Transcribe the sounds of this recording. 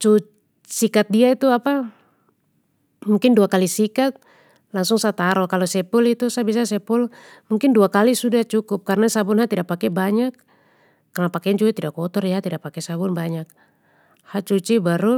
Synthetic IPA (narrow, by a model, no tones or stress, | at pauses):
t͡ʃut͡ʃ | sikat̪̚diait̪uapa | muŋkɪnduakalisikat̪̚ | laŋsuŋsat̪aɾɔkalɔsɛpulit̪usabis̬asɛpʊl | muŋkɪnduakalisudaht͡ʃukʊp̚karnasabʊnɦat̪idapakɛbaɲakː | arnapakɛnt͡ʃuɡat̪idakɔt̪ɔrjat̪idapakɛsabʊnbaɲak̚ | hat͡ʃut͡ʃibaɾu